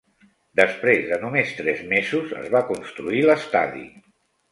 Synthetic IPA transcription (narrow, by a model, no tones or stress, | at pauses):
d̪əspɾezðənumest̪ɾɛzmezuzə̰zβakunst̪ɾuiləst̪a̰ðḭ